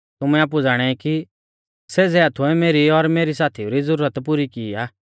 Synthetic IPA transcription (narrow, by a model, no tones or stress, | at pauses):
t̪ʊmɛ̃aːp̬ud͡zaːɽ̃ɛiki | seːsɛaːt̪ʰʊɛmeːɾiɔɾmeːɾisaːt̪ʰiuɾid͡zəɾuːɾət̪pʊɾikiːaː